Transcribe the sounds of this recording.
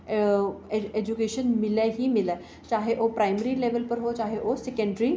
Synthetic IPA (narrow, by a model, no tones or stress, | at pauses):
eed͡ʑukeɕənmilaɦiːmila | t͡ɕaɦeʔopɾajməɾileʋəlpəɾɦot͡ɕaɦeʔosekəɳɖɾi